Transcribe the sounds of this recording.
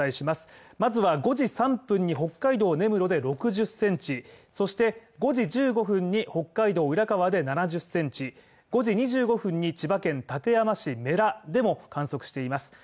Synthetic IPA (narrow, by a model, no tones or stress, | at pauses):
aiɕimasɨ̥mazɨβaɡo̞ʑisãmpɯ̟̃ɲ̟ːiɦo̞kːaid̪o̞ːne̞mɯ̟ɾo̞d̪e̞ɾo̞kɯ̟ʑɨsːẽ̞ɲ̟t͡ɕiso̞ɕi̥t̪e̞ɡo̞ʑid͡ʑɨːɡo̞ɸɯ̟̃ɲ̟ːiho̞kːaid̪o̞ːɯɾakaβad̪e̞nanaʑɨsːẽ̞ɲ̟t͡ɕi | ɡ̥o̞ʑiɲ̟iʑɨːɡo̞ɸɯ̟̃ɲ̟ːit͡ɕibakẽ̞nt̪at̪e̞jamaɕime̞ɾad̪e̞mo̞kãɰ̃so̞kɯ̟ɕi̥t̪e̞imasɨ̥